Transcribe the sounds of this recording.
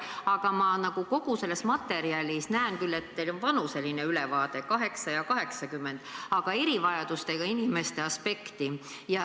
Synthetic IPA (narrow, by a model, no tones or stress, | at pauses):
ɑɡ̥ɑmɑnɑɡ̥uko̞ɡ̥use̞lːesmɑt̪ːˑe̞ɾiɑlʲisnæenkylːe̞t̪ːejlonvɑnuse̞line̞ylevɑːd̪̥e̞kɑɦe̞ksɑjɑkɑɦe̞ksɑkymːe̞nd̪̥ɑɡ̥ɑe̞ɾivɑjɑd̪̥ust̪e̞ɡ̥ɑinime̞st̪e̞ɑspe̞kt̪i | jɑ